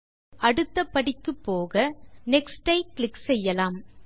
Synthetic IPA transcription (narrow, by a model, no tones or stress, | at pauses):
ɐɽɯt̪ːɐpːɐɽɪkːɯpːoːɣɐnɛksʈɐɪklɪksɛjːɐlaːm